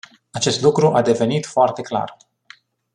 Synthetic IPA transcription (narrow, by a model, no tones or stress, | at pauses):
at͡ʃe̞st̪lukɾuʔad̪e̞ve̞nit̪foart̪e̞kla̰r